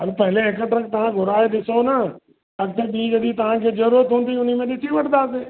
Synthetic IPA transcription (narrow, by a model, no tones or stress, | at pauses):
ɦɐlpɐɦɪleɦɪkəʈɾɐ̃k̚t̪ɐʋ̤ãɡʱʊɾaːeɗɪsonə | ɐɡ̚t̪ʰeɓiːɡɐd̪it̪ɐʋ̤ãkʰeːzɐɾuːɾət̪ɦũːn̆d̪iʊn̤imẽɗɪt̪ʰiʋɐʈʰnd̪aːseː